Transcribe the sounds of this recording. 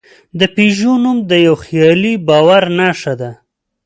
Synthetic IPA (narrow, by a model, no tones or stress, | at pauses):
d̪əpiʒunumd̪əjawxjɑlibɑwaɾnaʂad̪a